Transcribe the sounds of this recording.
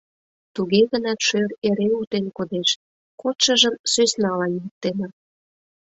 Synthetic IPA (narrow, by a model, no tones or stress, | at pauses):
t̪uɣeɣənɑt̪ʃøreɾeut̪enkod̪eʃ | kot̪ʃə̆ʒəmsøsnɑlɑnjik̚t̪enɑ